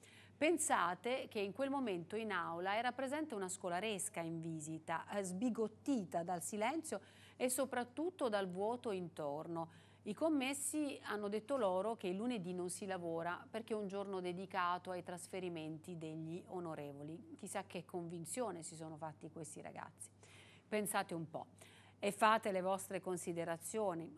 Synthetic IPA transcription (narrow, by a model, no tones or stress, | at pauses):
pensaːt̪ek̟eiŋkwelmoment̪oinawlaɛːɾapɾezɛnt̪eunaskolaɾeskaiɱviːzit̪azbiɡot̪ːiːt̪ad̪alsilɛnt̪sjo | esːopɾat̪ːut̪ːod̪alvwɔːt̪oint̪orno | ikomːesːianːod̪et̪ːoloːɾok̟eilːuned̪inonsilavoːɾaperk̟eund͡ʒornod̪ed̪ikaːt̪oajt̪ɾasfeɾiment̪id̪eʎːionoɾeːvolik̟isak̟ːekːoɱvint̪sjoːnesis̬oːnofat̪ːikwest̪iɾa̰ɡa̰t̪sːi̥ | pensaːt̪eumpɔ̰ | efːaːt̪elevɔst̪ɾekonsid̪eɾat̪sːjoːni